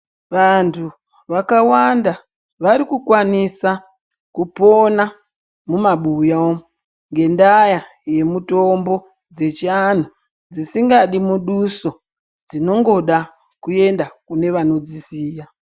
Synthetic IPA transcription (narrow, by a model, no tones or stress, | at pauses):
ʋantʰu | ʋakawanda | ʋaɾikukwanisa | kupo̞na | mumaɓuja | ŋɡe̞ndaja | je̞muto̞mbo̞ | d͡ze̞t͡ʃian̤u | d͡zisiŋɡaɗimuɗuso | d͡zino̞ŋɡo̞ɗa | kue̞ndakune̞ʋano̞d͡zisiːja